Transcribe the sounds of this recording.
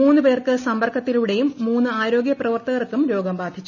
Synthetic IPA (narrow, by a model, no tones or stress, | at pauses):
uːnːɨpeːrkɨsɐmbɐrkʰɐt̪ːiluɽejumːuːnːɨaːɾo̞ːɡjɐprɐʋɐrt̪ɐɣɐrkːumɾo̞ːɡɐmbaːd̪ʱit͡ɕːu